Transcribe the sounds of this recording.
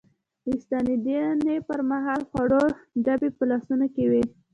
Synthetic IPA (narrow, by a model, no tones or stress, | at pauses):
ɪst̪ɑnid̪inepəɾmaɦɑlxwaɽoɖabepəlɑsunokewi